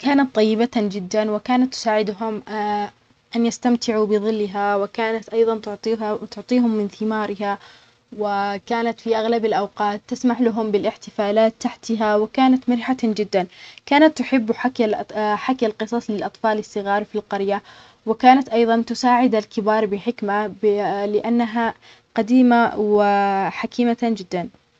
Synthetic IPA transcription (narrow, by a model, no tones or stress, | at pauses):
kaːnat̪ˤːɑjːɪbat̪ad͡ʒɪd̪ːanwɪkaːnat̪ːʊ̥saːʕɪd̪ɦʊm | ʔanjast̪amt̪ɪʕubɪðˤɨlːɪɦawɪkaːnat̪ʔɑjðˤɑnt̪ʊʕt̪ˤːt̪ʊʕt̪ˤiːɦʊmːɪnθɪmɑːɾˤɪɦa | wɪkaːnat̪fiʔaɣlabalʔawqɑːt̪ːasmaħlaɦʊmbɪlʔɪħt̪ɪfaːlaːt̪ːaħt̪aɦawɪkaːnat̪mɪɾħad͡ʒɪd̪ːankaːnat̪ːʊħɪbːħ | ħakːalqɨsˤɑsˤlɪlʔɑt̪ˤfɑːlɪsːɨɣɑːɾˤfilqɑɾja | wɪkaːnat̪ʔɑjðˤɑnt̪ʊsaːʕɪd̪alkɪbɑːɾˤbɪħɪkma | lɪʔanːaɦa | qad̪iːmawɪħakiːmaad͡ʒɪd̪ːan